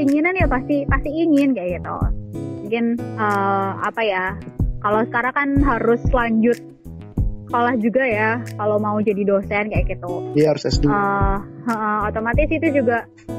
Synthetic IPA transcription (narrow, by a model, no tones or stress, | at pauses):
iŋinanjapast̪ipast̪iiŋɪnkajaɡit̪ṵmuŋkɪnəa̰pajakalowsə̥kaɾaŋkanɦaɾʊslaɲd͡ʒʊt̪̚ | kolahd͡ʒuɡajakalowmaud͡ʒadidosɛnkajakit̪ujaaɾʊsɛsəəʔəhot̪omat̪ɪsit̪ud͡ʒuɡaʔ